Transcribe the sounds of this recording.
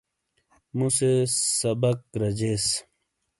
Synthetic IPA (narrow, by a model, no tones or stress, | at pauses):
musesɐbəkɾɐd͡ʑeːs